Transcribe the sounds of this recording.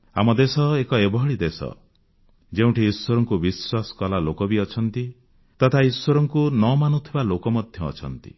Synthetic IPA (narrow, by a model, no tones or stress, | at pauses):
a̰mɔd̪esɔekɔebɔɦɔɭid̪esɔ̰ | d͡ʒeũʈʰiːswɔɾɔŋkubiswasɔ̥kɔlalokɔbiɔt͡ʃʰɔnt̪i | t̪ɔt̪ʰaiswɔɾɔŋkunɔmanut̪ʰibalokɔmɔd̪ʱjɔ̰ːt͡ʃʰɔnt̪ḭ